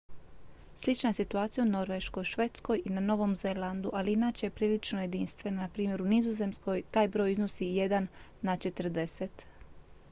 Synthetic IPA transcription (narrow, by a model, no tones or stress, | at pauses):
slit͡ʃnae̞sit̪uaːt̪sijauno̞ɾʋe̞ʃko̞jʃʋe̞ːt̪sko̞jinano̞ʋo̞mze̞land̪uʔaliinaːt͡ɕepɾiːlit͡ʃnoje̞d̪inst̪ʋe̞nanapɾiːmjeɾunizoze̞msko̞jt̪aːjbɾo̞ːjizno̞sije̞d̪anːat͡ʃe̞t̪r̩ɾd̪eset̪